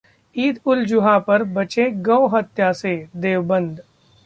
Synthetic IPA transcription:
iːd̪ʊld͡ʒʊɦapɐɾbɐt͡ʃẽɡɐ̃oɦɐt̪jased̪eːʋbə̃nd̪

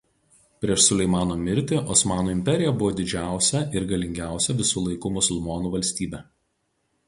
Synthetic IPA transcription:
pʲɾʲiɛʃsʊlʲɛɪmɑːnoːmʲɪɾʲt̪ʲeːʔɔsmɑːnuːɪmʲpʲɛɾʲɪjɛbʊʋoːd̪ʲɪd͡ʒʲæˑʊsʲɛʔɪɾɡɐlʲɪŋʲɡʲæˑʊsʲɛʋʲɪsuːlˠɐɪkuːmʊsʊlʲˠmɔːnuːʋɐlʲsʲt̪ʲiːbʲɛː

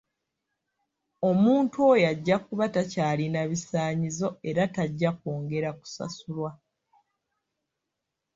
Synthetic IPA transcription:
o̞muːntuo̞jaɟːakuβatacaːlinaβisaːɲizo̞e̞ɾataɟːakoːŋɡe̞ɾaku̥sa̰sulwa

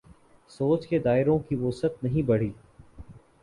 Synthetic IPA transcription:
soːt͡ʃked̪aːɪɾõkiʋʊsət̪̚nɐɦĩbɐɽ̤iː

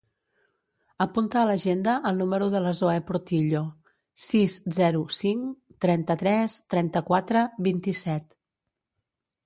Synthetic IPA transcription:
əpunt̪əːləʒend̪əʔəlˠnuməɾuðələzoepuɾt̪iʎo | sizzɛɾusiŋt̪ɾɛnt̪ət̪ɾɛst̪ɾɛnt̪əkwat̪ɾəβint̪isɛt̪

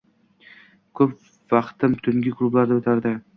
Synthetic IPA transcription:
kʰɵp | vɑqt̪ɪmt̪ʰʊŋɡʲɪkʰlˠublaɾd̪aɵt̪ʰaɾd̪ɪ

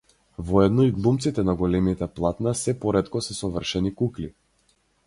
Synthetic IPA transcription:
vɔɛd̪nɔiɡlˠumt̪sit̪ɛnaɡɔlɛmit̪ɛplˠat̪nasɛpɔɾɛt̪kɔsɛsɔvər̩ʃɛnikukli

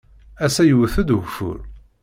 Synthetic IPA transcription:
æsæjəwθəd̪ɣfʊ̰ɾ

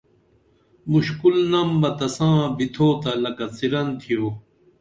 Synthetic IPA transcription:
muɕkulnɐmbɐt̪ɐsãːbit̪ʰoːt̪ɐlɐkɐt͡siɾɐnt̪ʰijoː

